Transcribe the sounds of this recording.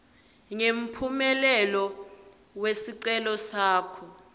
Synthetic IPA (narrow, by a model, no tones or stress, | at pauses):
ŋem̩pʰumɛlɛlɔ | wesiǀɛlɔsaːkʰɔ